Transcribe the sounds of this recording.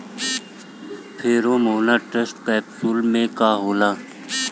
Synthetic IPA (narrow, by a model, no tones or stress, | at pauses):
pʰeːɾõːmoːnaːʈesʈkaːpsuːlmẽkaːɦoːlaː